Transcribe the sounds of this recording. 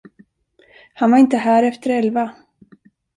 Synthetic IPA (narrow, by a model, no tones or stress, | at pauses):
hanvaɾɪnt̪əɦæːɾɛft̪əɾɛlva